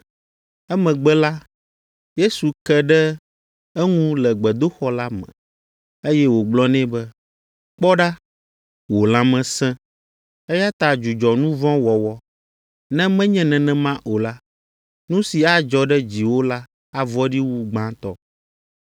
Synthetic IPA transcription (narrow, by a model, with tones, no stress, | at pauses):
ɛ˦mɛ̃˨ɡ͡bɛ˦la˦ | je˦su˨kɛ˦ɖɛ˦ | ɛ˦ŋũ˦lɛ˨ɡ͡bɛ˨d̪o˦xɔ˦la˦mɛ̰̃˨ | e˦jɛ˦wo˨ɡ͡blɔ˦nɛ̃˦bɛ˦ | k͡pɔ˦ɖa˦ | wo˨lã˦mɛ̃˦sɛ̃˦ | ɛ˦ja˦t̪a˨d͡ʒu˨d͡ʒɔ˨nũ˦vɔ̃˦wɔ˨wɔ˦ | nɛ̃˦mɛ̃˦ɲɛ̃˦nɛ̃˨nɛ̃˨mã˦ʔo˨la˦ | nũ˦si˨a˦d͡ʒɔ˨ɖɛ˦d͡ʑi˨wo˦la˦ | a˦vɔ˦ɖi˦wu˦ɡ͡bã˦t̪ɔ̰˦˨